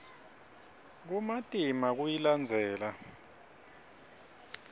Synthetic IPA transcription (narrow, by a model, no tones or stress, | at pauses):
k̬umatʼimak̬ujiland͡zʱɛːla